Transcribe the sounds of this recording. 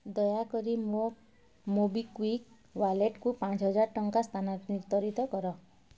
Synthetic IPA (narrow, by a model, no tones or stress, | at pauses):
d̪ɔjakɔɾimo | mobikwik | waleʈkupãt͡ʃʰɦɔd͡ʒaɾʈɔŋkast̪ʰanaɾniɾt̪ɔɾit̪ɔkɔɾɔ